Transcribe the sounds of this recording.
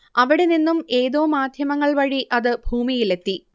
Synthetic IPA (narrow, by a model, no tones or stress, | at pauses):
ɐʋiɽeninːume̞ːðo̞ːmaːd̪ʱjɐmɐŋːɐɭʋɐɻiʔɐðɨbʱuːmijile̞t̪ːi